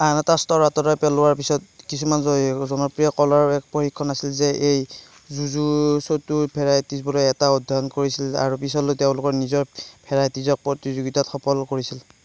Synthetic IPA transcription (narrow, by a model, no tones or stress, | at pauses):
anatastɔɹatɔɾɔjpɛlʊwaɹpisɔt̚kisumanzɔzɔnɔpɹijɔkɔlaɹɛk̚poxikʰːɔnasilzɛʔej | zuzusotupʰɛɹajtizbɔlɔjɛtaodʱaɔnkoɹisila̰ɹupisɔlʊtɛʊ̃lʊkɔɹnizɔɹpʰɛɹajtizɔk̚pɹɔtizoɡitatxɔpɔlkoɹisil